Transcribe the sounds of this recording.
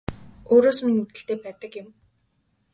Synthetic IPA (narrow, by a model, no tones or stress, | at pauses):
oːɾoːsmiŋut̪ɘ̆ɬt̪eːpæːt̪ə̆kjɪ̆m